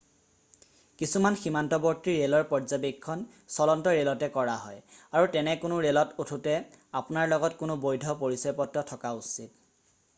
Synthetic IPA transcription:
kisumanximantɔbɔɹtiɹelɔɹpɔɹzabikʰːɔn | sɔlɔntɔɹelɔtɛkɔɹaɦɔjaɹutɛnɛkʊnʊɹelɔtutʰutɛ | apʊnaɹlɔɡɔtkʊnʊbojdʱɔpoɹisɔjpɔtɹɔtʰɔkausit̚

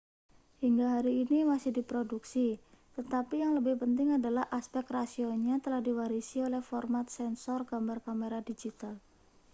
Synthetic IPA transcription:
hiŋɡaɦaɾiːnimasɪhdipɾoduksit̪ət̪apijaŋləbɪhpənt̪ɪŋadalahʔaspɛk̚krasioɲat̪əlahdiwaɾisiolɛhfɔrmat̪̚sɛnsɔrɡambarkameɾadid͡ʒit̪al

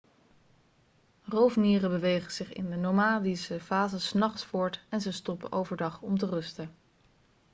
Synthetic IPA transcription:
rowvniːrəbəʋejχəz̥ɪχɪ̰ndənomaːdisəfaːzəsnɑχsfʊːɹtɛnzəstɔpə̰ʔowvəɹdɑχɔmt̬ərɵstə

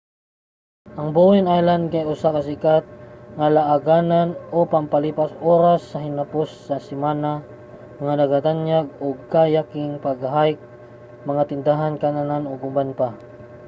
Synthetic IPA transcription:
ʔɐŋbowɛnʔajland̪̚kajʊsakɐsɪkat̪̚ŋalaʔaɡananopɐmpɐliːpasʔoɾasːɐɦɪnɐposːɐsɪmaːna | ŋanɐɡat̪anjaɡ̚oɡkajakɪŋpɐɡaɦaɪk̚ | mɐŋat̪ɪnd̪aɦankanananoɡʊmbanpa

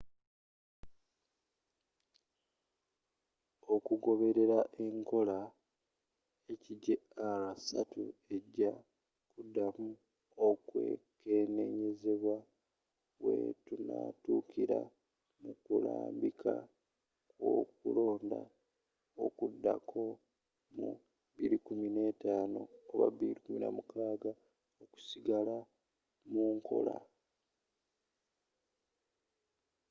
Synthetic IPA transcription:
o̞kuɡo̞βe̞ɾe̞ɾaʔe̞ŋko̞la | eciɟealasatṵe̞ɟːa | kudːamu | okwe̞̰kene̞ɲeze̞βwa | wḛtunaːtukiɾa | mukulaːmbikʰa | kwokulo̞ːnda | okudːakʰo̞ | mu | βiɾikumine̞taːno̞ːβaβilikuminamukaːɡa | oku̥siɡala | muːŋkʰo̞̰la

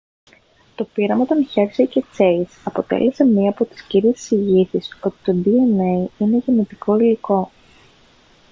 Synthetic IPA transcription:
t̪o̞piɾɐmɐot̪onçeɾsecet͡se̞isɐpo̞t̪ḛle̞se̞mɲiɐːpo̞t̪i̥sciɾiesi̥siʝisiso̞t̪i̥t̪o̞d̪ienejine̞ʝinot̪iko̞iliko̞

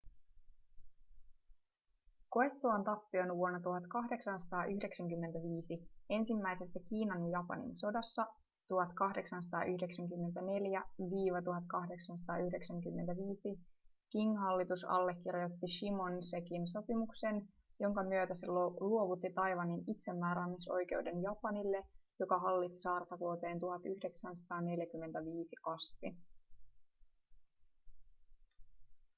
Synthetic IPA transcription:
ko̞et̪ːuɑnt̪ɑpːionʋuonːɑt̪uɦɑt̪kɑɦde̞ksɑnsɑ̥t̪ɑːʔyhde̞ksæŋkymːent̪æʋiːsie̞nsimːæjse̞sːækiːnɑnjɑpɑ̰nḭnso̞dɑsːɑ | t̪uɦɑt̪kɑhde̞ksɑns̬ɑ̥t̪ɑ̰ːʔyhde̞ksæŋkymːent̪æne̞ljæʋiːʋɑt̪uɦɑt̪̚kɑhde̞ksɑns̬ɑ̥t̪ɑːyhde̞ksɑŋkymːe̞nt̪æʋiːsikiŋːɦɑlːit̪usɑ̰lːekːirjot̪ːiʃimo̞nsekins̬o̞pimukse̞n | jo̞ŋkɑmyøt̪æseluoʋut̪ːit̪ɑjʋɑninit̪se̞mːæːɾɑnːiso̞̰jk̟e̞wde̞njɑpɑnilːe̞jo̞kɑɦɑlːit̪si̥sɑːrt̪ɑkuot̪e̞ːnt̪uɦɑt̪yhde̞ksænsɑ̥t̪ɑːne̞ljækymːent̪æʋiːsiʔɑst̪i

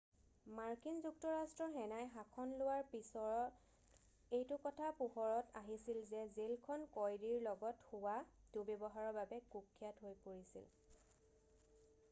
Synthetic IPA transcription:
maɹkinzuk̚tɔɹastɹɔɹɦɛnajɦakʰɔnlʊwaɹpisɔɹɔ | ejtʊkɔtʰapuxɔɹɔtaɦisilzɛzelkʰɔnkɔjɹiɹlɔɡɔtxuwadubebɔɦaɹɔbabɛkukʰːijatɦojpoɹisḭl

